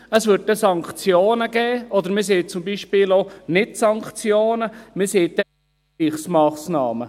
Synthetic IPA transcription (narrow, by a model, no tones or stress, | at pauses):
əsʋʏɾtːɛsɑŋkt͡sjoːnəɡ̥ɛːɔd̪əɾmɪs̬eːt͡sʊmbiʃpɪːlonɪtsɑŋkχt͡sjoːnəmɪseːtdɛ | iχsmɑːsnɑːmə